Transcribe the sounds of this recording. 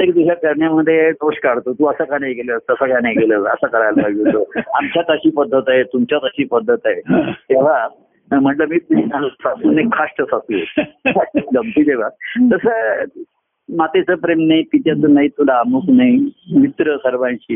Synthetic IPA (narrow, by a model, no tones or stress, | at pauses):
ekd̪iɕakəɾɳjaməd̪ʱːjed̪oɕkaɽt̪ot̪uːəsəkaneɡeləst̪əsəkaneɡeləːsə̰səkəɾajlbad͡ʑut̪oːamt͡ɕjat̪əɕiːpəd̪ʱːət̪aɦet̪umt͡ɕjat̪əɕiːpəd̪ʱːət̪aet̪eʋ̤a | m̤əɳʈləmiːt̪uisasuːnekkʰaʂʈəsasuːaʂʈələmpiːt̪eʋ̤at̪əsə | mat̪et͡səːpɾemnaipit̪jat͡sənaɦit̪ulaːmuknaimit̪ɾəsəɾʋãɲt͡ɕiː